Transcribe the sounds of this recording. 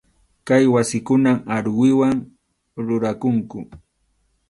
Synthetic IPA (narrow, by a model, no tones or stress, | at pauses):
kajwasɪkʊnamaɾwɪwaŋ | ɾʊɾakʊŋkʊ